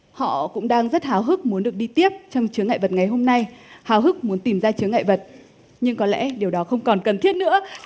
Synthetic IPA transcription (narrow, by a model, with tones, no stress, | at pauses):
hɔ̰˧˨kʊ̰˧˥ŋ͡mɗaː˧ŋzə˦˥t̚haː˨˦wɦɨ˦˥k̚mu˨˦ənɗɨ˨˩ək̚ɗi˧t̪i˦˥əp̚t͡ɕɔ˧wŋ͡mt͡ɕɨ˨˦əŋːa̰˧˨jvə˨˩t̚ŋa˨˩jɦo˧mna˧jhaː˨˦wɦɨ˦˥k̚mu˨˦ənt̪i˨˩mzaː˧t͡ɕɨ˨˦əŋːa̰ː˧˨jvə˨˩t̚ | ɲɨ˧ŋkɔ˨˦lɛ̰˧˥ɗi˨˩əwɗɔ˨˦xə˧wŋ͡mkɔ˨˩nkə˨˩nt̪ʰi˦˥ət̚nɨ̰˧˥ə